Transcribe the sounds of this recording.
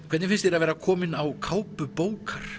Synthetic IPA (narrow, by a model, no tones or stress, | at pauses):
kʰvɛt̪nɪfɪnst̪ɛɾaðvɛːɾakʰɔːmɪnawkʰaːwpʏpoːwkaɾ̥